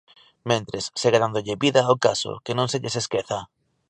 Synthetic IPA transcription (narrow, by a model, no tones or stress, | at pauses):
mẽnt̪ɾesːeɣaðand̪oʎɪβiðaokaso̰kenõŋseʎeseskeθa